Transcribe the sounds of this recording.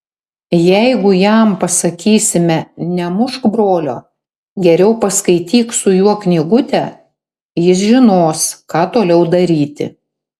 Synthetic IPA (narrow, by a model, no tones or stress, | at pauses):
jɛɪɡʊjæmpɐsɐkʲiːsʲɪmʲɛnʲɛmʊʃkbɾoːlʲo̰ː | ɡʲɛɾʲɛʊpɐskɐɪt̪ʲiːksʊjuɔknʲɪɡʊt̪ʲɛ | jɪs̬ʒʲɪnoːskɑːt̪oːlʲɛʊd̪ɐɾʲiːt̪ʲɪ̰